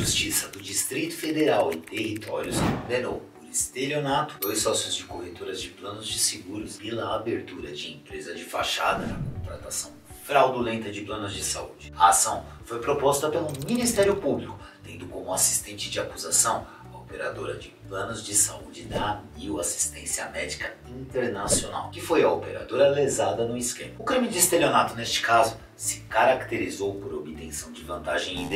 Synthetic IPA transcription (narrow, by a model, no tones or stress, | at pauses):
ʒust͡ʃisɐd̪ʊd͡ʒist̪ɾit̪ʊ̥fed̪eɾawɪt̪ehit̪ʰɔɾjʊsd̪eɾowbʊɾist̪elonat̪ʊ̥d̪ojsɔsjʊzd͡ʒɪkobet̪uɾɐzd͡ʒɪplɐ̃nʊzd͡ʒɪseɡuɾʊspelɐːbeɾt̪uɾɐd͡ʒɪẽpɾezɐd͡ʒɪfa̰ʃad̪ɐnɐkõt̪ɾat̪asɐ̃w̃fɾawd̪ulẽnt̪ɐd͡ʒɪplɐ̃nʊzd͡ʒɪsaud͡ʒɪɐasɐ̃w̃fojpɾopɔst̪ɐpɐlʊ̃minist̪ɛɾjʊpublikʊ̥t̪ẽnd̪ʊkõmʊasi̥st̪ẽnt͡ʃɪd͡ʒɪakuzasɐ̃w̃ | ɐopeɾa̰d̪oɾɐd͡ʒɪplɐ̃nʊzd͡ʒɪsaud͡ʒɪnɐmiwasi̥st̪ẽsiɐ̰mɛd͡ʒikɐ | ĩnt̪eɾnasiona̰wkɪfojɐopeɾa̰d̪oɾɐlezad̪ɐnʊɪskẽmɐʊkɾĩmɪd͡ʒɪst̪eleonat̪ʊnest͡ʃɪ̥kazʊ | sɪ̥kaɾakt̪eɾizowpoɾobɪt̪ẽsɐ̃w̃d͡ʒɪvɐ̃nt̪aʒẽj̃ĩd̪